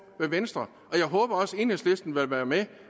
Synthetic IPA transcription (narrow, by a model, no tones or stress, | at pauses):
ʋeʋensd̥ʁɐ | ɒ̽jɑ̈ɪɦɔ̽ːb̥ɐɒ̽se̝nəsle̝sd̥n̩ʋelʋæːɐme